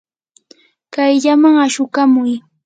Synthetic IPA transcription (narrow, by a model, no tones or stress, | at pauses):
kajʎamaŋaʃʊkamʊj